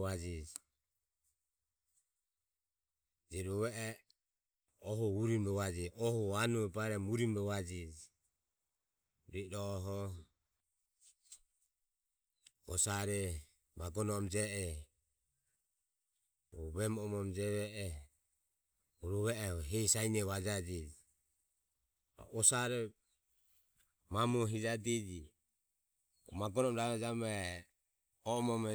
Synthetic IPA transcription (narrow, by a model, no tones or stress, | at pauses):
ad͡ʒi | d͡ʒɛɾɔβɛɛ | ɔɦɔuɾimɛβad͡ʒiʔɔhɔanuɛbaɾɛmuɾimɛβad͡ʒi | ɾiɾɔːɦɔ | ɔsaɾɛ | maɡɔnɔːmd͡ʒɛɛ | βɛmɔmɔmd͡ʒɛβɛɛ | uɾuβɛɛɦɛsainɛβad͡ʒad͡ʒid͡ʒi | ʔɔsaɾɛ | mamuɦid͡ʒadid͡ʒi | maɡɔnɔmɾad͡ʒamɛ | ɔmɔmɛ